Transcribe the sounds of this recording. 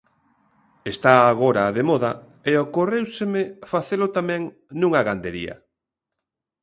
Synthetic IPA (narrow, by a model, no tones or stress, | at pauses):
est̪aːɣ̞oɾaːðemɔðɐ | eokorewsɪmɪfaθelʊt̪amɛ̃ŋ | nũŋɐɣand̪eɾḭɐ̰